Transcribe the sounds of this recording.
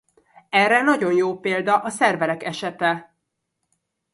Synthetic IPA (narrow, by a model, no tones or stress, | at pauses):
ɛrɛnɒɟo̞njoːpeːld̪ɒʔɒsɛrvɛɾɛkɛʃɛt̪ɛ